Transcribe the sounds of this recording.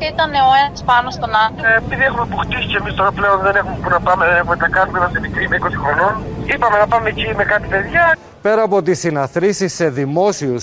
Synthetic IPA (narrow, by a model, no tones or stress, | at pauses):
it̪ɐneoenɐspɐnost̪o̞nɐt̪oepiðiexumepoxt̪isicemist̪oɾɐple̞o̞nðe̞ne̞xumepunɐpɐmeðenexumet̪ɐkɐnumenɐsemikɾimeiko̞sixɾo̞non | ipɐme̞nɐpɐmecime̞kɐt̪ipe̞ðʝɐ | pe̞ɾɐːpo̞t̪isinɐθɾisisːe̞ðimo̞sius